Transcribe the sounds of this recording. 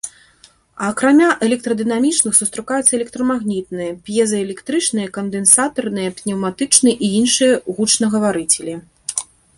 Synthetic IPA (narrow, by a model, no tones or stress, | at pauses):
ɐːkɾamʲaʔɛlʲɛk̚t̪ɾɐd̪ɨnamʲit͡ʂnɨxsust̪ɾɨkajut̪sːɐɛlʲɛk̚t̪ɾɐmaɣnʲit̪nɨjɐpjɛzɐɛlʲɛkt̪ɾɨt͡ʂnɨjɐkɐnd̪ɛnsat̪ɐrnɨjɐpnʲɛwmat̪ɨt͡ʂnɨɛʔiinʂɨjɐɣut͡ʂnɐɣɐvaɾɨt͡sʲelʲi